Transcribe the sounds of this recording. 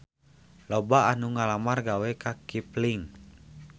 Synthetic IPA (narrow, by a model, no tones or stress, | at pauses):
lɔbaanuŋalamarɡawɛkakipliŋ